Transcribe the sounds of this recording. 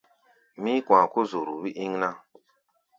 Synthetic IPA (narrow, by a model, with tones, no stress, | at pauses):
mĩ˦kwã˨ko˦zo˨ɾu˨bi˦ʔi˦ŋna˦